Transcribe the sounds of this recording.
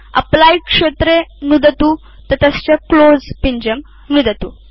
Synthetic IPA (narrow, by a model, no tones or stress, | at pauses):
a̰plaikʂet̪ɾenud̪ət̪u | t̪ət̪ast͡ɕaklod͡zpiɲd͡ʑəm | nud̪ət̪uː